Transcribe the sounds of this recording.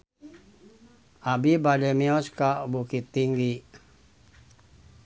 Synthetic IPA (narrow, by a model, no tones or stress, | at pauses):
abibadɛmiɔskabukit̪ːiŋɡi